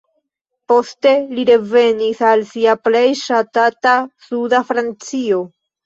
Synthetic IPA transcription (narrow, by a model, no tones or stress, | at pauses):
po̞ste̞liɾe̞ve̞nisalsiaple̞jʃatatasudafɾant͡sio̞